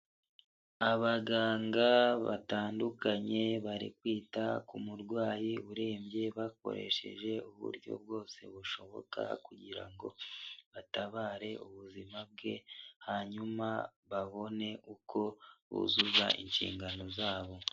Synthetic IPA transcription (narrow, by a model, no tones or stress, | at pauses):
aβaɡaːŋɡaβa̰taːndukaɲe̞βaɾḭkwiːtakumuɾɡwaːjiuɾe̞ːmbje̞βak̚o̞̰ɾe̞̰ʃe̞̰ʒe̞uβṵɾɟo̞̰b̚ɡo̞ːse̞̰βuʃo̞βo̞̰ka̰kuɟiɾa̰ŋɡo̞̰βataβaːɾe̞ʔuβuzimab̚ɡe̞haɲumaβaβo̞ne̞ʔukʰo̞βṵzuza̰ʔḭnʃḭːŋɡano̞zaːβo̞